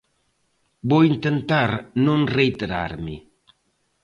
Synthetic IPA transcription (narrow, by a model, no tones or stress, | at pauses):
boint̪ent̪aɾnũnrejt̪eɾa̰ɾmi